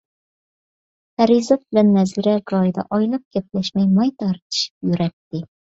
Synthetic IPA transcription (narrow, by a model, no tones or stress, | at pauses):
hæɾizat̪̚bɪlænːæziɾaɡɒjd̪a̰ʔɒjlˠɨp̚kʲʰep̚læʃmæjmɒjt̪ʰɑɾt̪ʰɨ̥ʃɪ̥p̚jyɾæt̪ːɪ